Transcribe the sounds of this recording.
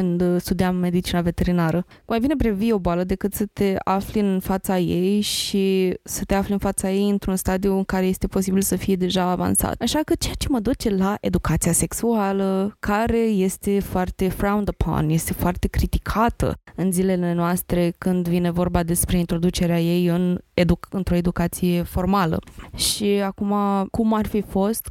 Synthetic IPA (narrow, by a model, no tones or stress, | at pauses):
ɨnd̪st̪ud̪iamːe̞d̪it͡ʃinave̞t̪e̞ɾinaɾəkmajbine̞bɾevio̞boaləd̪e̞kɨt̪sət̪e̞afliɨnnfat̪sajejʃisət̪e̞aflinfat̪saje̞jɨnt̪ɾunst̪ad̪iuɨŋkaɾeje̞st̪e̞po̞sibilsəfije̞d̪e̞ʒaːva̰nsa̰t̪aʃakət͡ʃe̞at͡ʃe̞məd̪ut͡ʃe̞laʔe̞d̪ukat̪siase̞ksualəkaɾe̞je̞st̪e̞foart̪e̞fɾawnd̪əpʰo̰nje̞st̪e̞foart̪e̞kɾit̪ikʰat̪ə̰ɨnzile̞le̞noast̪ɾe̞kɨnd̪vine̞vo̞rbad̪e̞spɾe̞int̪ɾo̞d̪ut͡ʃe̞ɾeaje̞jɨned̪uɨnt̪ɾo̞e̞d̪ukat̪sije̞fo̞rmalə̰ʃiakumakumarfifo̞st̪